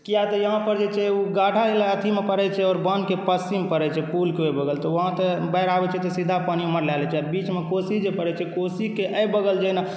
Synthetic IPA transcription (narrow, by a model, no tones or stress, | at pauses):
kijat̪ɔjəɦãpəɾd͡ʒet͡ʃʰɛuɡaʈʰaɦelaət̪ʰimepəɾɛt͡ʃʰɛɔːɾbənkepəsimpəɾɛt͡ʃʰɛpulkeojbəɡəlt̪ɔwəɦãt̪əbəɪɾabɛt͡ʃʰɛt̪ɔsid̪ʱapaniuməɾlɛlɛt͡ʃʰɛbit͡ʃmekosid͡ʒepəɾɛt͡ʃʰɛkosikeʔəjbəɡəld͡ʒəna